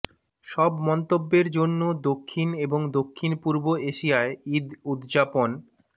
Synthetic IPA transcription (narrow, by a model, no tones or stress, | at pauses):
ʃɔbmɔnt̪obːeɾd͡ʑonːod̪okʰːineboŋd̪okʰːinpuɾboeʃijaeid̪ud̪d͡ʑapon